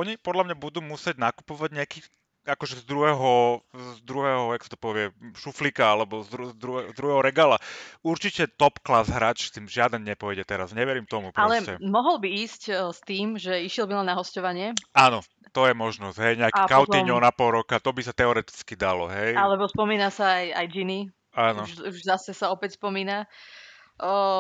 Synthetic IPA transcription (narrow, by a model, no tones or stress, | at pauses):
ɔɲipɔd̪lamɲabud̪uːmusɪɛɟnaku̥pɔʋaɟɲɛakiː | akɔʒɛzd̪ɾuɦɛɦɔzd̪ɾuɦɛɦɔjaksḁt̪ɔ̥pɔʋɪɛʃuflikaalɛbɔzd̪ɾuzd̪ɾuɛzd̪ɾuɦɛɦɔɾɛɡaːlauɾt͡ʃicɛt̪ɔpklazɦɾaːt͡ʃst̪iːmʒɪad̪ɛnɲɛpɔʋɛɟɛt̪ɛɾazɲɛʋɛɾimt̪ɔmupɾɔalɛscɛ̰mɔɦɔlbiiːscst̪iːmʒɛiʃɪɛlbilɛnaɦɔscɔʋaɲɪɛaːnɔ | t̪ɔjɛmɔʒnɔz̥ɦɛjɲɛakɛkaʊt̪iɲɔnapɔlɾɔkat̪ɔbisat̪ɛɔɾɛt̪i̥t͡skid̪alɔɦɛjalɛbɔspɔmiːnasaaja̰jd͡ʒini | anuɔʃuʒzasɛsaɔpɛcspɔmiːna